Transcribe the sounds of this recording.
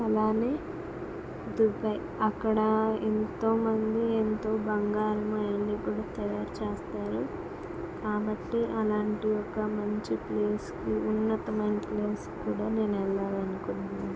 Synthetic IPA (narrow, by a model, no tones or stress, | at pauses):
ɐlaːne̞ː | d̪upɐ | ɐkːɐɽɐent̪o̞ːmɐnd̪ient̪o̞ːbɐŋɡaːɾɐmɐjɐnːiːkuːɽaːt̪ɐjaːɾut͡ʃeːst̪aːɾu | kaːbɐʈːiʔɐlaːɳʈijɔkːɐmɐɲt͡ʃipleːskiunːɐt̪ɐmɐjnɐpleːskuːɽaːne̞ːnɛlːaːlɐnukunaː